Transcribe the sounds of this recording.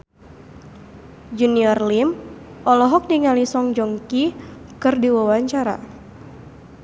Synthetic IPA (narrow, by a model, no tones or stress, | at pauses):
d͡ʒuniɔrlim | ʔɔlɔɦɔk̚diŋalisɔŋd͡ʒɔŋkikɨrdiwawaɲt͡ʃaɾa̰